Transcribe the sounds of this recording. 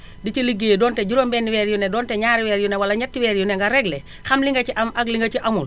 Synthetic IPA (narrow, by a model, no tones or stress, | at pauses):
dit͡ʃiliɡːeːdɔːntɛɟuɾoːmbɛːnːiwɛːɾjunɛdɔːntɛɲaːɾiwɛːɾjunɛwɐlɐɲɐtːiwɛːɾjunɛŋɡɐɾɛɡlɛ | xɐmliŋɡɐciʔɐmɐkliŋɡɐciʔɐmul